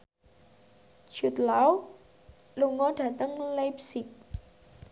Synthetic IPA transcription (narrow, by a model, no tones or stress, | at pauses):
ʒ̥ṳt̪̚law | luŋɔɖ̥ä̤t̪əŋlajp̚sɪk̚